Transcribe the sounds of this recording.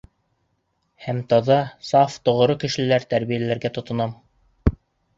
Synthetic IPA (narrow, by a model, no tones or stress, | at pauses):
hæmt̪ɑðɑsɑft̪ŏʁŏɾokɘ̆ʃɘ̆læɾt̪æɾβijælæɾɡæt̪ŏt̪ŏnɑm